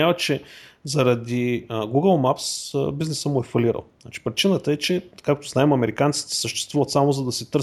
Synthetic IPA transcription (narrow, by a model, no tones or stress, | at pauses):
avət͡ʃɛzɐɾɐd̪iɡuɡəlˠmapsbiznɛsəmʊɛfɐlʲiɾə̰lˠzna̰t͡ʃi̥pɾit͡ʃinət̪əɛt͡ʃɛkakt̪ʊznaɛmɐmɛɾikant̪si̥t̪ɛ̥səʃt̪ɛ̥st̪vuvət̪samozɐd̪ɐsit̪ɤɾ